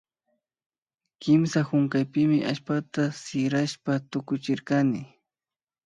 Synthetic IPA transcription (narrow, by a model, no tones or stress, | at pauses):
kɪmsaxʊŋkajpɪmɪʔa̰ʃpat̪asɪɾaʃpat̪ʊkʊt͡ʃɪɾkanɪ